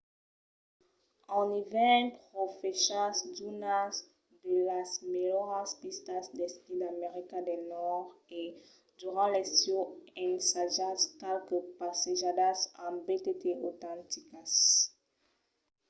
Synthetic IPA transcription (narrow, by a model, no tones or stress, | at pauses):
ɑ̃nivɛ̃pχofɛʃasd̪unas | d̪əlasmelɔʁaspist̪asd̪ɛst̪id̪ameʁikad̪ɛnɔʁe | d̪yʁɑ̃lɛstjɔɛnsaʒaskalkəpaseʒad̪asãbet̪et̪eʔot̪ɑ̃t̪ikas